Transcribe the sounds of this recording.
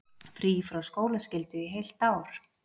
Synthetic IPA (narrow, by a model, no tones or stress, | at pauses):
fɾiːfɾawskoːwlascɪlt̪ʏiɦejl̥t̪aːwɾ̥